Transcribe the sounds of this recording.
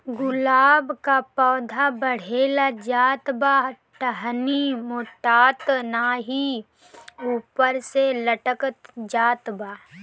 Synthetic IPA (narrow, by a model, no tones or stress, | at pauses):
ɡʊlaːbkapɔːd̪ʱabəɽ̤eːlad͡ʒaːt̪baː | ʈəɦnimoːʈaːt̪naɦi | uːpəɾseləʈəkət̪d͡ʒaːt̪baː